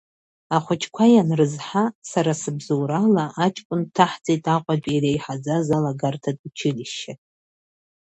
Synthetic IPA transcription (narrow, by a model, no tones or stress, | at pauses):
aχʷʊt͡ʃʰkʷʰajanrɨzħasaɾasɨbzowɾalaʔat͡ʃʼkʷʼʊntʰaħd͡zʼejtʼaqʷʼat͡pʼirejħad͡zazalaɡartʰatʼut͡ʃʰɪliʃatʼ